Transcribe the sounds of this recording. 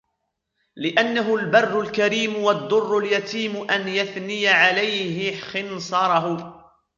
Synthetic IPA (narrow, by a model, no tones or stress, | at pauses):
lɪʔanːaɦʊlbɑrˤːʊlkaɾiːmʊwɑd̪ˤːʊrːʊljat̪iːmʊʔanjaθnɪjaʕalajɦɪxɪnsˤɑɾˤɑɦʊ